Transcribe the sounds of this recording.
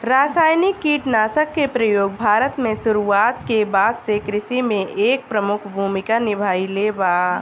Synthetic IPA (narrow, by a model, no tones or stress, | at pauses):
ɾaːsaːjnɪkːiːʈnaːsəkːepɾəjoːɡ̚bʱaːɾət̪mẽsʊɾuaːt̪kebaːd̪sekɾɪsimẽʔeːk̚pɾəmʊkʰbʱuːmɪkanɪbʱaːileːbaː